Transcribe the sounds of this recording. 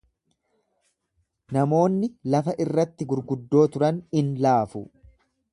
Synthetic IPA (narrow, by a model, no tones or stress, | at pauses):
nɐmo̞ːnːɪlɐfɐʔɪrːɐt̪ːɪɡʊɾɡʊd̪ːo̞ːt̪ʊɾɐnɪnlaːfʊ